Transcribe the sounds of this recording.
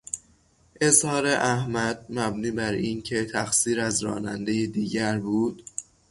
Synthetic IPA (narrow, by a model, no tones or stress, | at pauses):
ʔe̞zhɒːɾe̞ʔæhmæd̪̥̚mæbniːbæɾiːncʰe̞t̪ʰæxsiːɾæzɾɒ̰ːnænd̪e̞jed̪iːɟæɾbuːd̪̥